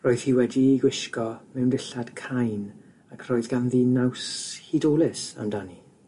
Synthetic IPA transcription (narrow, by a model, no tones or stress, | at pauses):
roːɨð̥hiːwɛdiɡwɪʃkɔmɛwndɪɬad̥kʰajn | akʰroɨðɡanðinawshidoːlˠɪsa̰mdani